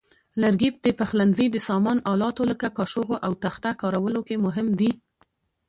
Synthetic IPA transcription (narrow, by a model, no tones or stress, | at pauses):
laɾɡip̚d̪əpaxlanzid̪əsɑmɑnɑlɑt̪oləkakɑʃoɣoʔawt̪axt̪akɑɾawəlokemʊɦɪmd̪i